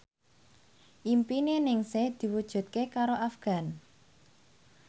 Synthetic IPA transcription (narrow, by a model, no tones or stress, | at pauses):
ʔimpinenɪŋsehd̪̥i̤wud̥ʒ̥ṳt̪̚kekaɾoʔafɡ̥a̤n